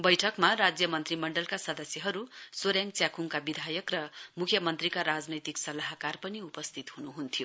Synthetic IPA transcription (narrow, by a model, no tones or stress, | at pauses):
bʌjʈʰʌkmarad͡zjʌmʌnt̪rimʌɳɖʌlkasʌd̪ʌsjʌɦʌɾusoɾjaŋt͡sjakuŋkabid̪ʱajʌkrʌmukʰjʌmʌnt̪rikaɾad͡znʌjt̪iksʌlaɦkarpʌniupʌst̪ʰit̪hunuɦunt̪ʰijo